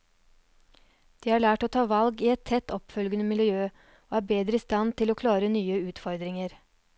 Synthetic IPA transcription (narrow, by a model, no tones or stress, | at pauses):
d̪̥iːhɑːɭæːʈoːt̪ʰɑːʋɑlɡiːɛt̪ʰɛt̪ːɔpfœlɡənəmɪlɪjøː | oːæːɾbeːd̪ɾəiːst̪ɑnt̪ʰɪloːkʰlɑːɾənyːəʉːt̪fɔɾd̪ɾɪŋəɾ